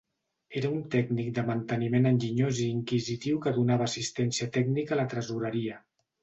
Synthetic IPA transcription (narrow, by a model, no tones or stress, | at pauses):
eɾəunt̪ɛɡnik̚d̪əmənt̪ənimenənʲʒiɲoziːŋkizit̪iwkəðunaβəːsist̪ɛnsiət̪ɛɡnikələt̪ɾəzuɾəɾiə